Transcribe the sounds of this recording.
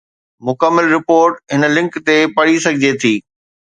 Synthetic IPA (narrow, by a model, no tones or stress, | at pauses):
mʊkəmːɪlɾɪpoːɾʈɦɪnlɪ̃ŋkt̪epɐɽisɐɡʱɪd͡ʑet̪ʰiː